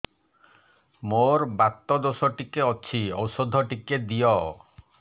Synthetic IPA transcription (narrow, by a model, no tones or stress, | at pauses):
moɾbat̪ːɔd̪osɔʈikeɔt͡ʃʰiɔwsɔd̪ʱɔʈiked̪ijɔ